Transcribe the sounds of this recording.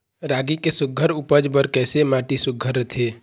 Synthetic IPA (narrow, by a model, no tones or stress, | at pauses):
ɾaːɡikesʊɡʱːəɾupəd͡ʒbəɾkɛːsemaːʈisʊɡʱːəɾːət̪ʰeː